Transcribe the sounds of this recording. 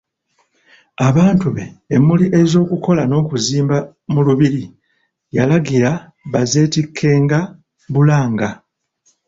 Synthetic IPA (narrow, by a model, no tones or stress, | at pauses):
aβaːntuβe̞ːmːuliʔe̞zo̞ːkuko̞lano̞ːkuziːmba | muluβiɾi | jalaɡiɾa | βaze̞ːtikʰːe̞ːŋɡa | βulaːŋɡa